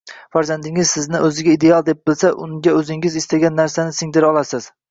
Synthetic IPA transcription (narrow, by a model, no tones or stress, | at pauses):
faɾzand̪ɪŋɪzsɪznɪʔɵzɪɡʲaid̪e̞alˠd̪e̞p̚bɪlsaʔʊ̰ŋɡʲaɵzɪŋɪzɪst̪aɡʲanːaɾsanɪsɪŋd̪ɪɾɒlˠasɪz̥